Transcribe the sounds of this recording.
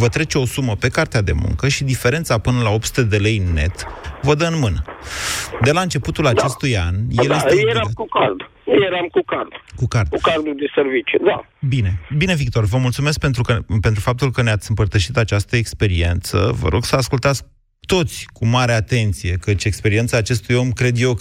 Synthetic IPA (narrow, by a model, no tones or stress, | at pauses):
vət̪ɾe̞t͡ʃeo̞suməpe̞kart̪ead̪e̞̰mṵŋkəʃid̪ife̞ɾe̞nt̪sapɨnəlao̞pt̪su̥t̪ed̪e̞le̞jɨnːe̞̰t̪vəd̪əɨnmɨnə | d̪e̞laɨnt͡ʃe̞put̪ulat͡ʃe̞st̪uja̰njeljet̪eakukard̪ | jejeɾamkukard̪kukard̪kukard̪ud̪eservit͡ʃed̪a | bine̞bine̞vik̚t̪o̞rvəmult̪sume̞sk̚pe̞nt̪ɾukəpe̞nt̪ɾufap̚t̪ulkəneat̪sʲɨmpərt̪əʃit̪at͡ʃast̪əekspe̞ɾie̞nt̪sə̰və̰ɾʔo̞ɡsəaskult̪at̪sk | t̪o̞t̪sʲkumaɾe̞at̪e̞nt̪sije̞kət͡ʃʲekspe̞ɾie̞nt̪saːt͡ʃe̞st̪ujo̞mkɾe̞d̪jew